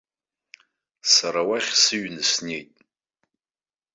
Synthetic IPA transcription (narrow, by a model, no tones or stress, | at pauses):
saɾawaχʲsɨɥnɨsnejtʼ